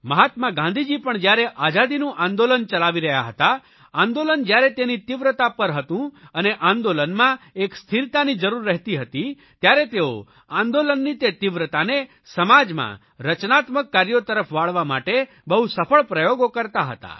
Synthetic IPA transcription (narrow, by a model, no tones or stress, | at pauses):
məɦat̪mãɡãnd̪ʱid͡ʒipəɳd͡ʒjaɾeʔad͡ʒad̪inũʔãnd̪olənt͡ʃəlaʋiɾəɦja̰ɦət̪a | ãnd̪olənd͡ʒjaɾet̪enit̪iʋɾət̪apəɾɦət̪ũəneʔãnd̪olənmãekst̪ʰiɾt̪anid͡ʒəɾuɾːɛɦt̪iɦət̪i | t̪jaɾet̪eo̰ | ãnd̪olənːit̪et̪iʋɾət̪ane | səmad͡ʒmã̰ | ɾət͡ʃnat̪məkːaɾjot̪əɾəpʰʋaɭʋama̰ʈe | bəɦusəpʰəɭpɾəjoɡokəɾt̪aɦə̰t̪a̰